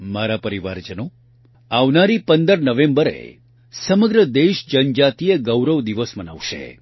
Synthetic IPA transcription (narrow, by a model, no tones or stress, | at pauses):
maɾapəɾiʋaɾd͡ʒəno | aʋnaɾipənd̪əɾnəʋẽmbəɾḛ | səməɡɾəd̪eʃd͡ʒənd͡ʒat̪ieɡəwɾəʋd̪iʋəsməna̰ʋʃḛ